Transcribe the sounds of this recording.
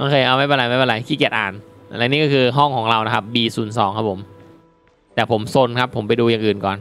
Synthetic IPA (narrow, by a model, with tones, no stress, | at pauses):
a˥˩kʰɤː˧ʔa˧wma˥˩jpa˧la˨˦ma˥˩ba˧la˨˩˦kʰiː˥˩ki˨˩ət̪̚ʔaː˨˩na˧nlːniː˥kɔ˥˩kʰɯː˧ɦɔ˥˩ŋkʰɔː˩˦ŋɾa˧wna˦˥kʰa˦˥p̚biː˧suː˩˦nsɔː˩˦ŋkʰa˦˥pʰo˩˦m | t̪ɛː˨˩pʰo˩˦mso˧nkʰa˦˥pʰːo˩˦mp̬a˧jduː˧jaː˨˩ŋʔɯː˨˩nkɔː˨˩n